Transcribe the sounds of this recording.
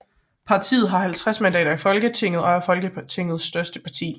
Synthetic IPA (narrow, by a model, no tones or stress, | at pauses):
pʰɑ̈t͡sʰḭːð̩ˠɦɑ̈ɦælt͡sʰʁasmændɛ̰ːɾɐifɒ̽lɡ̥ət͡sʰe̝ŋ̰ð̩ˠɒ̽æɐfɒ̽lɡ̥ət͡sʰe̝ŋ̰ð̞̩ˠsːd̥ɶɐsd̥əpʰɑ̈t͡sʰḭː